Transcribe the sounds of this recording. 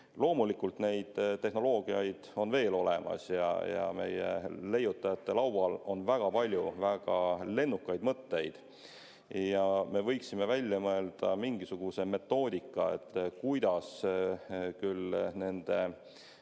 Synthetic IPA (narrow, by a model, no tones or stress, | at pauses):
lo̞ːmulikːˑult̪ne̞jd̪̥t̪ːe̞hno̞lo̞ːɡ̥iɑjd̪̥o̞nve̞ːlo̞le̞mɑ̰sjɑ̰jɑ̰me̞̰jḛle̞jːut̪ːˑɑjɑt̪ːe̞lɑwwɑlo̞nvæɡ̥ɑpɑlʲjuvæɡ̥ɑle̞nːukːˑɑjd̪mɤt̪ːe̞jd̪̥ | jɑme̞vɤ̞jksime̞vælʲjɑmɤe̞ld̪̥ɑmiŋɡisuɡ̥use̞me̞t̪ːo̞ːd̪̥ʲikːˑɑe̞̰t̪ːˑkujd̪̥ɑs | kylne̞nd̪̥e̞